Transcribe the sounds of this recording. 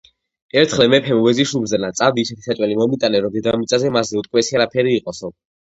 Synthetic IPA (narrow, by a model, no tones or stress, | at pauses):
ɛɾt̪ʰχlɛmɛpʰɛmuvɛziʃubɾzɛnat̪sʼavd̪iːsɛt̪ʰi̥sat͡ʃʼwɛlimɔmit̪ʼanɛɾɔd̪ɛd̪amit̪sʼazɛmasːɛut̪ʼkʼwɛsiaɾapʰɛɾiːqʼɔsɔ